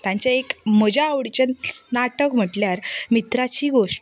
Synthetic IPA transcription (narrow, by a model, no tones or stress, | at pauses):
t̪jãɲt͡ɕaekm̤əd͡ʑaːʋɽit͡ɕənnaʈəkm̤əʈljaɾmit̪ɾat͡ɕiːɡoʂʈ